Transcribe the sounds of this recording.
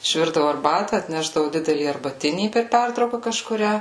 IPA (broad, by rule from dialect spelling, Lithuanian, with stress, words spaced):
ɪʃʲˈʋʲɪrdɐʋʊ ɐrˈbɑːtɐ ɐtʲˈnʲæːʒdɐʋʊ ˈdʲɪdʲɛlʲiː ɐrbɐˈtʲɪnʲiː pʲɛr ˈpʲɛrtrɐʊkɐ kɐʃkʊˈrʲæː